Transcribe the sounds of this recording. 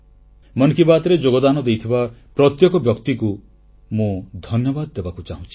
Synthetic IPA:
mɔnkibat̪ɾed͡ʒoɡɔd̪anɔd̪ejt̪ʰibapɾɔt̪jɔkɔbjɔkt̪iku | mũd̪ʱɔnjɔbad̪ɔːebakut͡ʃaɦũt͡ʃʰi̥

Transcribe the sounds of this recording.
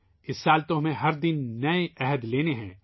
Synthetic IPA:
ɪsːaːlt̪õmẽɦɐɾd̪ɪnːɐeɛɦəd̪leːneɦɛ̰̃ː

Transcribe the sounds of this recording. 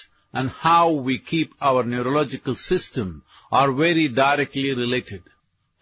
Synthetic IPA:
ʔæ̃nhaʊʋiːkʰiːpaʊəɾnjuɾolɔd͡ʒɪkəlsɪsʈə̃m | ʔaːɾʋeɾiɖaɪɾɛk̚ʈliɾileːʈɪɖ

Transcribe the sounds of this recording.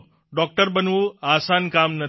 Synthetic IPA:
ɖɔk̚ʈəɾbənʋuasankamnə

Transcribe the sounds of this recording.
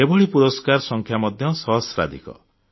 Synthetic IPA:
ebɔɭipuɾɔskaɾɔsɔŋkʰjamɔd̪ʱjɔsɔɦɔsɾa̰d̪ʱḭkɔ̰

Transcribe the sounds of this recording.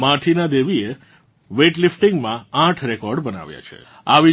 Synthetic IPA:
mãʈʰinad̪eʋie | ʋeʈlifʈiŋɡmããʈʰɾekɔɾɖbəna̰ʋja̰t͡ʃʰḛ | aʋi

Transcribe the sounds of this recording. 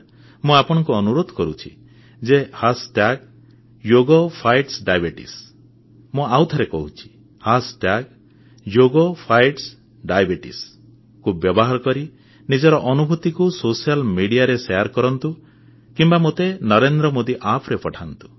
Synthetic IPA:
mũapɔɽ̃ɔŋkuɔnuɾod̪ʱɔ̥kɔɾut͡ʃʰḭ | d͡ʒehasʈaɡ | joɡɔpʰajʈsɖajbeʈḭs | mũawt̪ʰaɾekɔɦut͡ʃʰi̥ | hasʈaɡ | joɡopʰajʈs | ɖajbeʈḭs | kubjɔbɔɦaɾɔkɔɾi | nid͡ʒɔɾɔʔɔnubʱut̪ikusosialmiɽijaɾeseaɾkɔɾɔnt̪u | kimbamot̪enɔɾend̪ɾɔmod̪iʔapʰɾepɔʈʰant̪u̥

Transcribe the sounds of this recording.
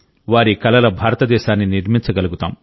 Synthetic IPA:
ʋaːɾikɐlɐlɐbʱaːɾɐt̪ɐd̪ɛːʃaːnːiniɾmint͡ʃɐɡɐluɡut̪a̰ːm

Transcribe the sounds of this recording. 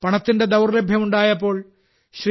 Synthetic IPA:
pɐɳɐt̪ːinde̞d̪ɐwrlebʱjɐmuɳɖaːjɐpːo̞ːɭ | ɕri

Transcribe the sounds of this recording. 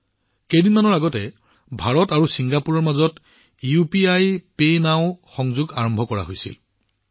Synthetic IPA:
kejdinmanɔɹaɡɔtɛ | bʱaɹɔtaɹusiŋɡapuɹɔɹmazɔt | upiajpenaʊ̃xɔŋzuɡaɹɔmbʱɔkɔɹa̰ɦojsḭl

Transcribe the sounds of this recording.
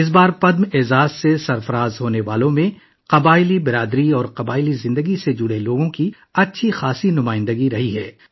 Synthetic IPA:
ɪs̬baːɾpɐd̪mɪːzaːzsesɐɾfɐɾaːzɦoːneʋaːlõmẽ | qɐbaːɪlibɪɾaːd̪ɾiɔːɾqɐbaːɪlizɪ̃nd̪əɡised͡ʒʊɽeloːɡõki | ɐtːʃʰixaːsinʊmaːɪ̃nd̪əɡiɾɐɦiɦɛː

